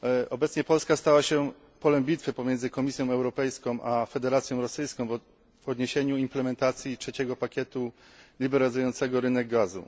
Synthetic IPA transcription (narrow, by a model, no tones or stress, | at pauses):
ɔbɛt̪sɲɛpɔlskast̪awaɕɛ | pɔlɛmbʲit̪fɘpɔmʲjɛnzɘkɔmʲisʲjɔ̃w̃ɛwɾɔpɛjskɔ̃w̃ʔafɛd̪ɛɾat̪sjɔ̃w̃ɾɔsɘjskɔ̃w̃v | ɔd̪ɲeɕeɲuimplɛmɛnt̪at̪sʲjitʂɛt͡ɕɛɡɔpakʲjɛt̪u | lʲibɛɾalʲizujɔnt̪sɛɡɔɾɘnɛɡɡazṵ